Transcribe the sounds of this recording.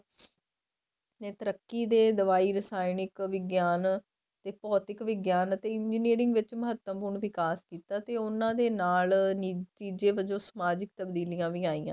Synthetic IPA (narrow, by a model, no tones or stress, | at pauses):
eːt̪əɾəkːiːd̪eːd̪əʋaːiːɾəsaːɪnɪkʋɪɡjaːn | t̪eːpɔːt̪ɪkʋɪɡjaːnət̪eːɪnd͡ʒiːneːɾɪŋɡʋɪt͡ʃməɦət̪ːəmpuɾɳʋɪkaːskiːt̪aːt̪eːʊnãːd̪eːnaːlnit̪iːd͡ʒeːʋəd͡ʒõːsəmaːd͡ʒɪk̚t̪əbd̪iːlijãːʋiːaːiːã̰ː